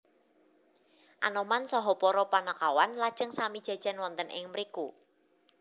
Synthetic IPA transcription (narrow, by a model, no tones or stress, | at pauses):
ʔanɔmansɔɦɔpɔɾɔpanəkawanlad̥ʒ̥əŋsamid̥ʒ̥a̤d̥ʒ̥a̤nwɔnt̪ənʔɪ̰ŋməɾiku